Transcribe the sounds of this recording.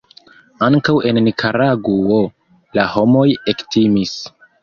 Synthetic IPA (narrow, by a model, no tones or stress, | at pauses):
aŋkawe̞nːikʰaɾaɡuo | laho̞mo̞jektimis